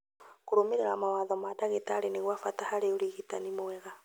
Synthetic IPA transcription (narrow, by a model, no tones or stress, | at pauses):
kuɾomeɾeɾamawaðɔmataɣetaɾeneɣwafatahaɾeoɾiɣita̰nimowɛɣa